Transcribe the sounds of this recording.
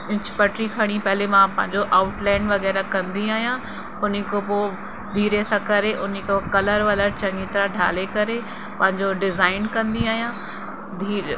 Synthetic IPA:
ɪ̃t͡ɕpɐʈɾikʰɐɽ̃ipɐɦlemãpɐ̃ɦɪ̃ɲd͡ʑoʔaːʊʈlɛ̃ːɳɖʋɐɣɛːɾakɐ̃nd̪iaːɦijã | ʊn̤ikopoː | d̪ʱiːɾesãkɐɾeʔʊnikokɐləɾʋɐləɾt͡ɕɐ̃ŋɡɪt̪ɾaɖʱa̰ːlekɐɾe | pɐ̃ɦɪ̃ɲd͡ʑoɖɪzaːɪnkɐ̃nd̪iaːɦijã | d̪ʱiːɾ

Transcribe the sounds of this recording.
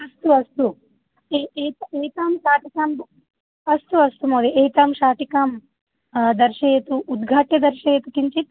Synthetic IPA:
ɐst̪uɐst̪u | t̪eːt̪aːmʃaːʈikaːm | ɐst̪uɐst̪umoːd̪iʔeːt̪aːmʃaːʈikaːm | d̪ɐɾʂeeːt̪uʔːd̪ɡʱaːʈjɐd̪ɐɾʃeeːt̪ukiɲt͡ʃit̪

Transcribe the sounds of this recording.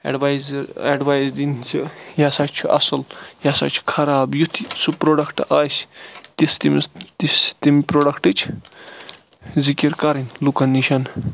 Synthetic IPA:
ḛɖʋajzɾeɖʋaːjzd̪int͡sʰijasaːt͡ʃʰuʔɐ̰sɨljasa̰t͡ʃʰu̥kʰɐɾaːbjut̪ʰsupɾoɖɐkʰʈaːsʲt̪ist̪imt̪ist̪imipɾoɖɐkʰʈɨt͡ʃʰ | zikiɾkɐɾinʲlukɐnːiʃɐn

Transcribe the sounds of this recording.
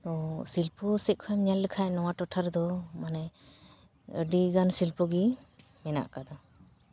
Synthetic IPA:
t̪ɔsilpɔsɛkʰɔɛmɲalːəkʰaʔnɔwaʈɔʈʰaɾd̪ɔmanɛ | əɖiɡansilpɔɡi | mɛna̰ʔkad̪a

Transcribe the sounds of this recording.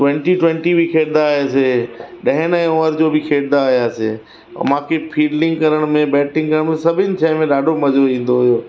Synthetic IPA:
ʈwɛ̃ɳʈiʈwɛ̃ɳʈibʱikʰeːɽd̪aɦeseɗɐɦɪ̃nẽoːəɾd͡ʑoːbʱɪkʰeːɽd̪aːɦjaːsḛː | mãːkʰepʰiːɖlɪ̃ŋɡkɐɾəɽ̃mẽbɛːʈɪ̃ŋɡkɐɾəɽ̃mẽsɐbʱɪnɪ̆t͡ɕʰãːɪmẽɗaːɖʱomɐd͡ʑoĩːn̆d̪oɦʊjoː

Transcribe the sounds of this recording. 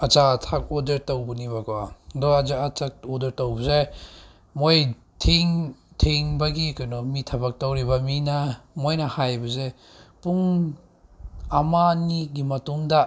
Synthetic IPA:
at͡ʃaatʰak̚ɔdɐɾtawbuniβakɔadɔad͡ʒaat͡ʃak̚ɔdɐɾtawbɐze | moj | tʰiŋtʰiŋbɐɡikajnɔmitʰɐbɐk̚tɐwɾibɐminɐmojnɐhajbɐze | puŋ | amaniɡimɐtuŋdɐ

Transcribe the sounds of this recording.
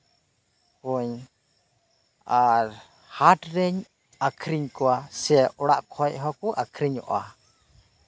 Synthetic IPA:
kɔɲ | aɾ | haʈɾɛɲ | akʰɾiɲkɔasɛʔɔɽa̰ʔkʰɔʔɦɔkuʔakʰɾiɲɔ̰ʔa̰

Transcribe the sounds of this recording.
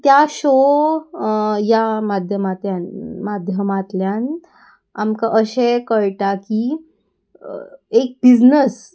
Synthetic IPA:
t̪jaɕo | jamad̪ʱjəmat̪ljanmad̪ʱjəmat̪ljan | amkaʔəɕekəɭʈaki | ek̚bid͡znəs

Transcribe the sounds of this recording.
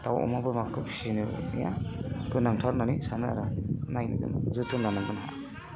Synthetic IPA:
tawɔ̰mabɯmakʰɯpʰsinɯnḭja̰kɯnaŋtʰaɾnanisanɯa̰ɾɔnajnɯ̰zɯtɯnlanaŋɡɯnɦa̰

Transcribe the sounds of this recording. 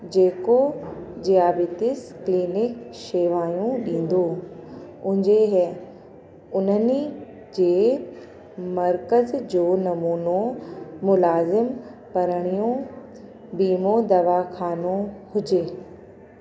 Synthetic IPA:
d͡ʑeːkod͡ʑijaːbɪt̪ɪskliːnɪkʃeːʋaːjũɗĩːn̆d̪oː | ʊ̃ɦɪ̃ɲd͡ʑeɦ | ʊnəni | d͡ʑeː | mɐɾkəzd͡ʑoːnɐmuːnomʊlaːzɪmpɐɾəɽ̃ijõ | biːmod̪ɐʋakʰaːnohʊd͡ʑeː

